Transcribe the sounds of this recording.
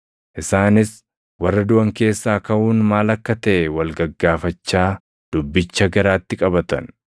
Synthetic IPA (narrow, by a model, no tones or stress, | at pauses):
ʔɪsaːnɪs | wɐrːɐd̪ʊʔɐŋke̞ːsːaːkɐʔuːnmaːlɐkːɐt̪ɐʔɛwɐlɡɐɡːaːfɐt͡ʃːaː | d̪̥ʊbːɪt͡ʃːɐɡɐɾaːt̪ːɪkʼɐbɐt̪ɐ̰n